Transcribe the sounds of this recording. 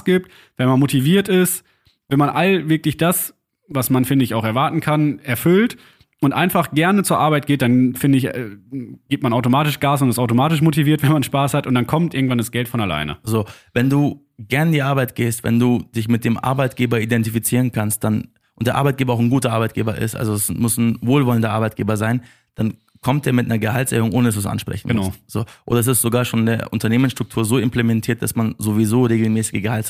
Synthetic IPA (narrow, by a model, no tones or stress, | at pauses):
sɡ̥ɪp̚t | vɛnmanmotʰiviːɐtɪst | vɛnmanʔalvɪɐklɪçd̥as | vasmanfɪndəɪçaʊxɛɐvaɐtn̩kʰanɛɐfʏlt | ʔʊntʔa̰ɪnfaχɡ̥ɛɐnət͡suːɐʔaɐbaɪt̚ɡ̥eːt̚d̥anfɪndəɪç | ɡ̥iːp̚tmanaʊtomaːtɪʃɡ̥aːsʊntɛstʔaʊtomaːtɪʃmotiviːɐtvɛnmanʃpaːshatʔʊntd̥ankʰɔmtʔɪɐɡŋ̩tv̥andasɡ̥ɛltfɔnala̰ɪnə̰zoːvɛnduː | ɡ̥ɛɐnɪndiːʔaɐbaɪtɡ̥eːstvɛ̰nduːd̥ɪçmɪt̚d̥eːmʔa̰ɐbaɪtɡ̥eːbɐidɛntifit͡siːʁ̞ənkʰanst̚d̥an | ʔʊntd̥eːʔaɐbaɪt̚ɡ̥eːbɐaʊxn̩ɡuːtɐʔaɐbaɪt̚ɡeːbɐʔɪ̰stʔa̰lzoɛsmʊsn̩voːlvɔləndɐʔaɐbaɪtɡ̥eːbɐzaɪn | d̥an | kʰɔmt̚d̥eːɐmɪtnɐɐɡəhaltsʔɛ̰ːʁʊŋʔoːnədas̬uːsʔa̰nʃpʁ̥ɛ̰çn̩mɡnaʊz̥oːʔo̰ːdɐɛs̬ɪstz̥oɡaːɐʃoːndeːɐʔʊntɐneːmənsʃtʁ̥ʊktʰuːɐzoːɪmplɛmɛntʰiːɐt̚d̥a̰smanzovizoːʁeːɡl̩mɛːsɪɡəɡəhalt